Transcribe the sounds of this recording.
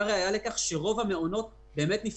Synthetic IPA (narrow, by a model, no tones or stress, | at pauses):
aʁeajale̞kaχʃeʁo̞vame̞ono̞t̪̚ | be̞ːmet̪nif